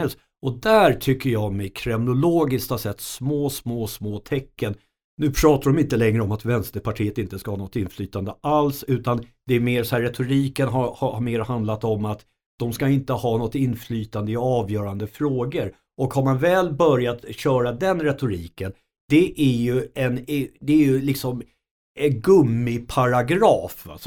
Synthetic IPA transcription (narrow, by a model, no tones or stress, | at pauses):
ɛlst̪ | ɔd̪æɾʈ̪ʰʏkːəɾjɑmɛkʰɾɛmnʊloːɡɪskt̪asɛt̪ːsmoːsmoːsmoːt̪ʰɛkːən | nʉ̟ːpʰɾɑːt̪aɖɔmɪnt̪əlɛŋɾəɔmat̪vɛnst̪əɾpʰaʈʰiːət̪ɪnt̪əskahɑːnɔt̪ːɪnːflyːt̪and̪əʔalsʉ̟ːt̪and̪ɛæɾmeːɾsɔhæɾɛt̪ʰʊɾiːkənɦaɾhahaɾmeːɾɦand̪lat̪ɔmat̪ | d̪̥ɔmskaɪnt̪əhɑːnɔt̪ːɪnːflyːt̪and̪əɪɑːvjœːɾand̪əfɾoːɡəɾ | ʔɔkhaɾmanvɛːlbœɾjat̪ɕœːɾad̪ɛnɾɛt̪ʊɾiːkən | d̪̥ɛʔæɾjɵɛnd̪ɛːɾjɵlɪksɔm | ɛnɡɵmːɪpʰaɾaɡɾɑːfa̰s